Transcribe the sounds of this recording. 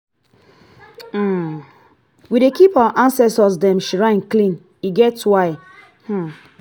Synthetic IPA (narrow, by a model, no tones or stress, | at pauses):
widekipawaʔãnsɛstɔsdɛ̃mʃɹãnklĩn | iɡɛtwaɪ | h̩